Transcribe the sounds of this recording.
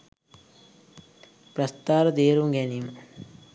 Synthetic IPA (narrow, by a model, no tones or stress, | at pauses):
pɾɐst̪aːɾɐd̪eːɾuŋɡenim